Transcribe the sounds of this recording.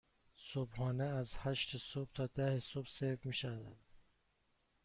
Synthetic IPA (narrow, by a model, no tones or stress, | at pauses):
sobhɒːneæzhæʃt̪ʰesob̥̚t̪ʰɒːd̪æhesobseɾvmiʃæd̪æd̪